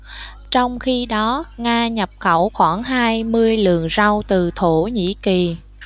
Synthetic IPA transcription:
t͡ɕɔ˧wŋ͡mxi˧ɗɔ˨˦ŋaː˧ɲə˨˩p̚xə˧˩wxwaː˧˩ŋɦaː˧jmɨ˧əjlɨ̰˧˨əŋza˧wt̪ɨ˨˩t̪ʰo˧˩ɲḭ˧˥ki˨˩

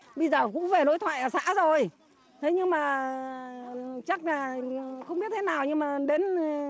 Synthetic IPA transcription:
ɓə˧jzəː˨˩kʊ̰˧˥ŋ͡mve˨˩no˨˦jt̪ʰwa̰ː˧˨jʔəː˧˩sa̰ː˧˥zo˨˩j | t̪ʰe˨˦ɲɨ˧ŋmaː˨˩ | t͡ɕa˦˥k̚laː˨˩xə˧ŋ͡mɓi˦˥ət̪̚ʰe˨˦naː˨˩wɲɨ˧ŋmaː˨˩ɗe˨˦n

